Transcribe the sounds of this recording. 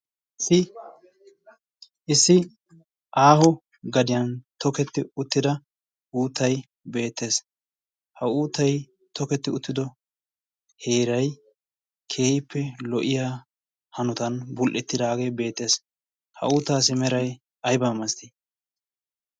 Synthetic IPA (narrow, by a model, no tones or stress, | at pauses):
ɪ | ʔɪsːɪ | ʔaːhɔ | ɡɐd̪ɪjɐnt̪ɔkɛt̪ːɪʊt̪ːɪd̪ɐ | uːt̪ːɐj | be̞ːt̪ːe̞ːs | hɐuːt̪ːɐj | t̪ʰɔkɛt̪ːɪʊt̪ːɪd̪ɔ | he̞ːɾɐj | kʰe̞ːhɪpʰːɛlɔʔɪjaː | hɐnʊt̪ɐnbʊlʔɛt̪ːɪd̪aːɡe̞ːbe̞ːt̪ːe̞ːs | hɐ̰uːt̪ːaːsɪmɛɾɐj | ɐjbamɐst̪ɪ